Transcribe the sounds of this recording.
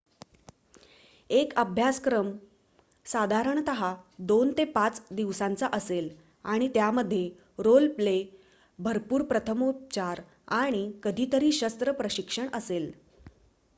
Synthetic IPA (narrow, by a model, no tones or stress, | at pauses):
ekəbʱjaskɾəm | sad̪ʱaɾəɳt̪əɦad̪ont̪epat͡sd̪iʋsãnt͡saʔəsel | aɽ̃it̪jaməd̪ʱːje | ɾolple | bʱəɾpuːɾpɾət̪ʰəmop̚t͡ɕaɾ | aɽ̃ikəd̪ʱiːt̪əɾiːɕəst̪ɾəpɾəɕikʂəɳəsel